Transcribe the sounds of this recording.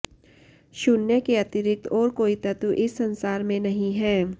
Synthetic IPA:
ʃʊnjəkeɐt̪ɪɾɪk̚t̪ʰɔːɾkoːit̪ɐt̪uʔɪsːɐ̃nsaːɾmẽnɐɦĩɦɛː

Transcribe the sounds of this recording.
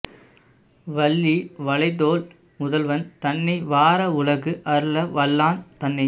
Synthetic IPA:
ʋɐlːiʋɐɭɐɪðoːl | mʊðɐlʋɐnt̪ɐnːɐɪʋaːɾɐʊɭɐɣɯʔɐɾɯlɐʋɐlːaːnt̪ɐnːɐɪ

